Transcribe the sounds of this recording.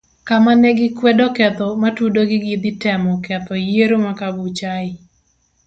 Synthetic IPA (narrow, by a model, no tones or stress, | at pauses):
kamanɛɡɪkwɛdɔkɛt̪ɔmatudoɡɪɡid̪ɪtɛmɔkɛt̪ɔjeɾomakaɡut͡ʃaɪ